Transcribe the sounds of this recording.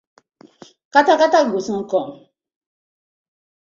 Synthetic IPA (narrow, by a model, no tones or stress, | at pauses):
katakataɡosɔŋ̩kɔm